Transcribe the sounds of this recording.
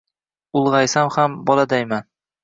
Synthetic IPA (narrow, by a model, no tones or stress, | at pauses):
ʊlˠʁɑjsamhambɒlˠad̪ajman